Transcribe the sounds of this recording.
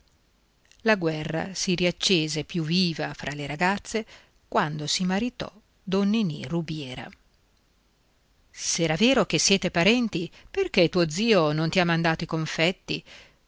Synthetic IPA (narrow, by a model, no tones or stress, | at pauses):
laɡwɛrːa̰siɾiat͡ʃːeːzepjuvːiːvafɾʔaleɾaɡat̪sːe | kwand̪osimaɾit̪ɔ̰ | d̪onːinḭrubjɛːɾa̰ | sɛːɾaveːɾok̟esːjɛːt̪epaɾɛnt̪iperket̪ːuːod̪ziːonont̪iamːand̪aːt̪oikoɱfɛt̪ːi